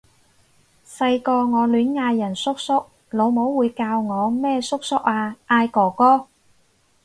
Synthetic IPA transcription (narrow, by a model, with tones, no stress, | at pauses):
sɐ˧jkɔː˧ŋɔː˨˧lyː˨˥nŋaː˧jːɐ˨˩nsʊ˥k̚sʊ˥k̚ | lo˨˧wmo˨˥wwuː˨˧jkaː˧wŋɔː˨˧mɛː˥sʊ˥k̚sʊ˥k̚aː˧ʔaː˧jkɔː˨˩kɔː˥